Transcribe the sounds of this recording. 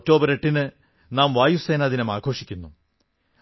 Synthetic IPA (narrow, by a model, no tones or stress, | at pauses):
ok̚to̞ːbɐɾeʈːinɨ | naːmʋaːjuse̞ːnaːðinɐmaːɡʱo̞ːʂikʲːunːu